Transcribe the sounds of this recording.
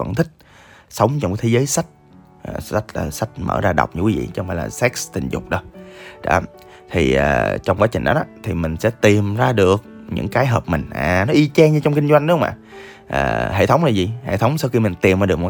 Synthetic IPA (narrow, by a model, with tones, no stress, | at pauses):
və̰˧˥˨nt̪ʰï˦˥k̟̚ | sə˨˦wŋ͡mt͡ɕɔ˧wŋ͡mt̪ʰe˨˦zəː˨˦jsa˦˥jk̟̚ | ʔːa˦˥k̚laː˨˩sa˦˥jk̚mə̰ː˧˩zaː˧ɗə̰˨˩wk͡p̚ɲɨ̰˧˥kwi˨˦vḭ˧˨t͡ɕɔ˧wŋ͡mfaː˧˩jlaː˨˩sɛ˦˥k̚st̪ï˨˩ŋ̟zʊ˨˩k͡p̚ɗə˧˦ɗɔ̰˧˨˦ | t̪ʰi˨˩ʔəː˨˩t͡ɕɔ˧wŋ͡mkwaː˨˦t͡ɕï˨˩ŋ̟ɗɔ˨˦ɔ˧˦t̪ʰi˨˩mï˨˩ŋ̟sɛ̰˧˥t̪i˨˩mzaː˧ɗɨ˨˩ək̚ɲɨ̰˧˥ŋkaː˨˦jɦəː˨˩p̚mï˨˩ŋ̟ʔaː˨˩nɔ˨˦ʔi˧t͡ɕɛ˧ŋɲɨ˧t͡ɕɔ˧wŋ͡mkï˧ŋ̟zwa˧jŋ̟ɗu˧˦˧wŋ͡mʔa̰ː˧˨˩ | ʔə̰ː˨˩ɦḛ˧˨t̪ʰə˨˦wŋ͡mlaː˨˩zi˨˩hḛ˧˨t̪ʰə˨˦wŋ͡msaː˧wxi˧mï˨˩ŋ̟t̪i˨˩mzaː˧ɗəkm˨˩